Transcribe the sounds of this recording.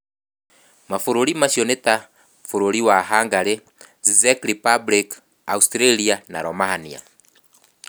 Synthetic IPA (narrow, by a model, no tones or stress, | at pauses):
mafuɾulimaʃiɔnɛta | fuɾuliwaɦaŋɡaɾe | zizɛkɾipablik | austɾɛliana̰ɾɔmahania̰